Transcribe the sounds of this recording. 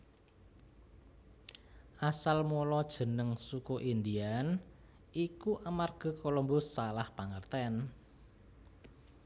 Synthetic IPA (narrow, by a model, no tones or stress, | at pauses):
ʔasalmolɔd̥ʒ̥ə̤nəŋsukuʔind̪ian | ʔikuʔamarɡ̥a̤kolɔmbɔsːalahpaŋərt̪ɛn